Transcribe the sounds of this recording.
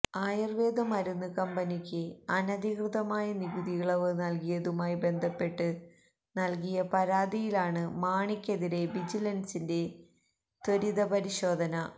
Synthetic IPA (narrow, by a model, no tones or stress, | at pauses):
aːjɐrʋeːd̪ɐmɐɾunːɨkɐmbɐnikʲːɨɐnɐd̪ʱikrɨðɐmaːjɐniɡuðiɣɐɭɐʋɨnɐlkijɐðumaːjibe̞nd̪ʱɐpːe̞ʈːɨ | nɐlkijɐpɐɾaːd̪ijilaːɳɨmaːɳikʲːeðiɾe̞bid͡ʑilɐnsinde̞ | t̪oɾiðɐpɐɾiɕo̞ːd̪ʱɐnɐ